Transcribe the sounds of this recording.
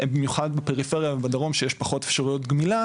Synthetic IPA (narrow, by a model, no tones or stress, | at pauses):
bimjuχadbepeʁifeʁijavebad̪aʁo̞mʃejeʃpaχo̞tefʃaʁujo̞t̪ɡmila